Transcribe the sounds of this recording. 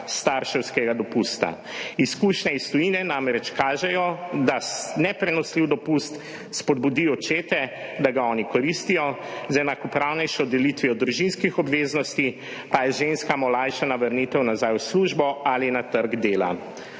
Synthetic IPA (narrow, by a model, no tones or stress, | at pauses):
st̪aɾʃɛwskɛɡad̪ɔpust̪a̰ | iskuʃnɛist̪ɔjinɛnamɾɛt͡ʃkaːʒɛjɔd̪anɛpɾɛnɔsliwd̪ɔpust̪ | spɔd̪̚bud̪ijɔt͡ʃeːt̪ɛd̪aɡaɔːnikɔɾist̪ijɔzɛnakɔpɾawnɛjʃɔd̪ɛlit̪ʋiɔd̪ɾuʒinskixɔbʋeznɔst̪i | pajɛʒenskamɔlajʃanaʋɐɾnit̪ɛwnazajwsluʒbɔalinat̪əɾɡd̪eːla̰